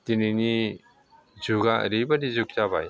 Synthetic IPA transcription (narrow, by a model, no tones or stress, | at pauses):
tinini | zuɡaɐ̰ɾibadizuk̚taba̰j